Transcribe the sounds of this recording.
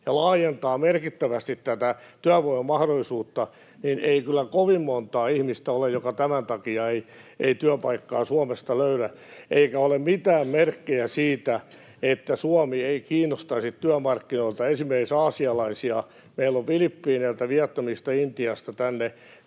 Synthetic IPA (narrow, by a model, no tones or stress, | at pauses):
jɑlɑːjent̪ɑːmerkit̪ːæʋæst̪it̪tæt̪æ | t̪yæʋoimemɑhɾoisuːt̪ːɑ | nineikylːækoʋimmont̪ɑːihmist̪æolejjokɑt̪æmænt̪ɑkiɑeieit̪yæpɑikːɑːsuɑmest̪ɑløyɾæʔeikæolemmit̪æːmmerkːejæsiːt̪æ | et̪ːæsuɑmieikiːnːost̪ɑisit̪t̪yæmɑrkːinoilt̪ɑensimːeriksɑːsiɑlɑisiɑ | meilːoʋfilipːiːneilt̪æʋiɛt̪ːɑmist̪ɑint̪iɑst̪ɑt̪ænːe